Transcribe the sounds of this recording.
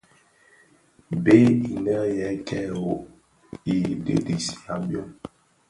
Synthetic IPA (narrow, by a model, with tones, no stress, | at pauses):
be˦i˨nɛ˦jɛ˨˦kʰɛ˦o˨ | i˨dḛ˨di˨si̥˨a˨bjɔ˦